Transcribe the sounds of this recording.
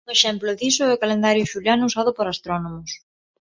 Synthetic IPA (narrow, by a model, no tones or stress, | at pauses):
ŋeʃɛmploðisoekalend̪aɾjoʃuljanusaðʊpoɾast̪ɾɔnomʊs